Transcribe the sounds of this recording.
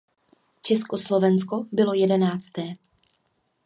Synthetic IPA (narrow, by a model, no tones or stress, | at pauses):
t͡ʃɛsko̞slo̞vɛnsko̞bɪlo̞jɛdɛnaːt͡st̪ɛː